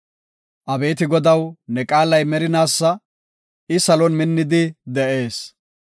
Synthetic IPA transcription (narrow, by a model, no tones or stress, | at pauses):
ʔɐbe̞ːt̪̬ɪɡɔd̪ɐwnɛkʼaːlɐjmɛɾɪnaːsːɐ | ʔɪsɐlɔnmɪnːɪd̪ɪd̪ɛʔe̞ːs